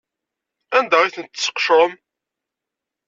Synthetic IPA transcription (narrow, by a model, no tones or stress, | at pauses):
ænd̪æʁiθənt̪ːsːə̥qʃɾˤəm